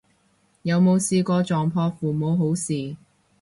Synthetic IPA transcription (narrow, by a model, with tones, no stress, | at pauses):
jɐ˨˧wmo˨˧wsiː˧kɔː˧t͡ʃɔː˨˩ŋpʰɔː˧fuː˨mo˨˧wɦo˨˥wsiː˨˩